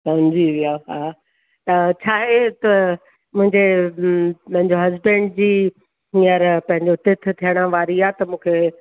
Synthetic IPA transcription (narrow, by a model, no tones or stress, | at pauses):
sɐmd͡ʑiʋijaɦaː | t̪ɐt͡ɕʰaːɦet̪ɐ | mʊ̃ɦɪ̃ɲd͡ʑe | pɐ̃ɦɪ̃ɲd͡ʑoɦɐzbɛ̃ɳɖ̚d͡ʑiː | ijəɾpɐ̃ɦɪ̃ɲd͡ʑot̪ɪt̪̆ʰt̪ʰijəɽ̃aʋaːɾiaːt̪ɐmũːkʰe